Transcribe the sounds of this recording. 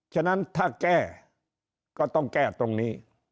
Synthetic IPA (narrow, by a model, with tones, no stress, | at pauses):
t͡ɕʰa˧˩na˦˥nt̪ʰaː˥˩kɛː˥˩ | kɔː˥˩t̪ɔ˥˩ŋkɛː˥˩t̪o˧ŋniː˦˥